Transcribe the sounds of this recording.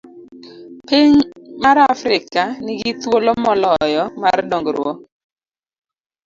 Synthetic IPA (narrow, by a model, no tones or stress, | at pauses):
piɲmaɾafɾɪkanɪɡɪt̪wolomɔlɔjɔmardɔŋɡɾwɔ